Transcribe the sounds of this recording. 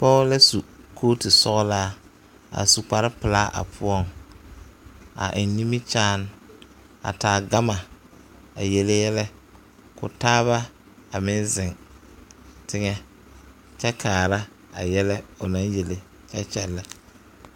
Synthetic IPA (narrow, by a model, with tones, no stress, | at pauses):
pɔː˦la˦su˨kʰoː˦ti˨sɔ˦ɣɔ˦laː˦ | a̰˨su˨k͡pa˨ɾɪ˦pɪ˨laː˦ʔa̰˨pʰʊ˦ɔ˦ŋ | a̰˨ʔɪ˨nː˦i˦mi˦t͡ʃaː˦n˦ | a̰˨taː˨ɡa˦ma˨ | a˨je˨le˦jɛ˦lɛ˦ | kʊ̰˨taː˦βa˦ | a˨mɪ˦nzɪ˨ŋ | tɪ˦ŋɛ˦ | t͡ʃɛ˦kaː˨ɾa˦ | a̰˨jɛ˦lɛ˦ʊ˨na˦nje˨le˨ | t͡ʃɛ˦t͡ʃɛ˨lːa˦